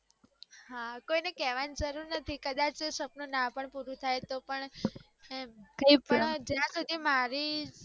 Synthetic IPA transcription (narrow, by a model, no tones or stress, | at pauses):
ɦakoinekɛʋanid͡ʒəɾuɾnət̪ʰikəd̪at͡ʃsəpnonãpəɳpuɾũt̪ʰajt̪opəɳ | mkəpəɳd͡ʒjãsud̪ʱimaɾi